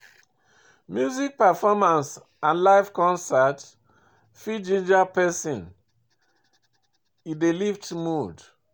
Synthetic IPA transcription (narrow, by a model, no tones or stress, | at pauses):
mjuzik̚pafɔmãns | ãnlaɪfkɔ̃nsat | fid͡ʒĩnd͡ʒapɛsĩn | idelivtmud